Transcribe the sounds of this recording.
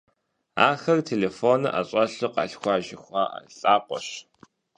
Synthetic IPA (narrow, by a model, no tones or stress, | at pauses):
a̰ːxɐrtʰeːleːfoːnɨ̰ʔa̰ɕʼɐɬɨqɑ̰ːɬxʷɑːʒɪxʷɑːa̰ɬʼaːqʷɔɕ